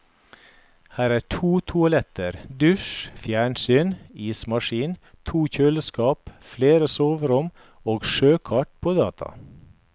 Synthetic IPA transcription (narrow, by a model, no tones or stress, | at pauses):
hæːɾæːʈʰuːt̪ʰʊɑlɛt̪əɾd̪ʉʃfjæːɳsyːniːsmɑʃiːnt̪ʰuːçøːləskɑːpfleːɾəsoːʋəɾʊm | oːɡʃøːkʰɑʈpʰoːd̪ɑːt̪ʰɑ̰